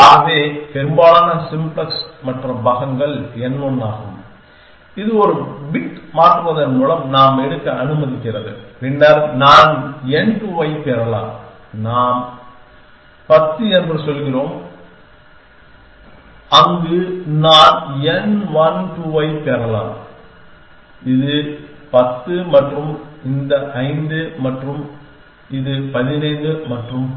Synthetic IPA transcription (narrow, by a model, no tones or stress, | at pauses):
aɐʋeːpɛɾɯmbaːɭaːnɐsɪmblɐsmɐʈrɐbɐɣɐŋɡɐɭɛnʋɔnːaːɣɯm | ɪðɯɔɾɯbɪʈmaːʈrɯʋɐðɐnmuːɭɐmnaːmɛɽɯkːɐɐnɯmɐðɪkːɪrɐðɯ̰ɾɪɳɖaːɾnaːnɛnʈuʋɐɪpeːɾɐla̰ːm | naːm | pɐt̪ːɯɛɾbɐɾsɔlɣɪroːm | ɐŋɡɯnaːnɛnʋɐnʈ̪uːʋɐɪpeːɾɐla̰ːm | ɪðɯ | pɐt̪ːɯmɐʈrɯmɪnd̪ɐʔɐɪnd̪ɯmɐʈrɯm | ɪðɯpɐðɪnɐɪnd̪ɯmɐʈrɯm